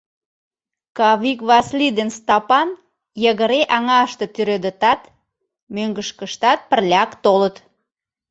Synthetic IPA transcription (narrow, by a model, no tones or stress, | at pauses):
kɑβikβɑslid̪enst̪ɑpɑn | jəɣəɾeʔɑŋɑʃt̪ət̪yɾød̪ət̪ɑt̪ | møŋɡəʃkəʃt̪ɑt̪̚pərlʲɑkt̪olət̪